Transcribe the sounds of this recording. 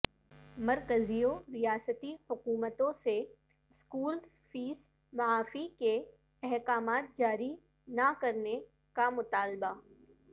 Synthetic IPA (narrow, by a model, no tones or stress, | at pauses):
mɐɾkəzijoɾijaːsət̪ihʊkuːmət̪õse | ɪskuːlz | fiːs | mɐaːfike | ɛɦkaːmaːt̪̚d͡ʒaːɾi | nakɐɾne | kamʊt̪aːlba